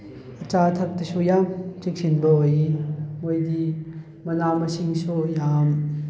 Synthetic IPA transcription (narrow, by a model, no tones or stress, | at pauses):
ɐt͡ʃatʰɐk̚tɐsujamt͡ʃik̚sinbɐɦojimojdi | mɐnamɐsiŋsujam